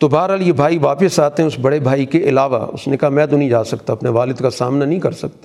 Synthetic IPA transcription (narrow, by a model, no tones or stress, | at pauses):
t̪obaːɦɾɦaljebʱaːiʋaːpɪsaːt̪eɦɛ̃ʊsbɐɽebʱaːikeʔɪlaːʋa̰ʊ̰snekaɦamɛ̃ːt̪ʊnɐĩd͡ʒaːsɐkt̪aɐpneʋaːlɪd̪kasa̰ːmnanɐɦĩkɐɾsɐkt̪a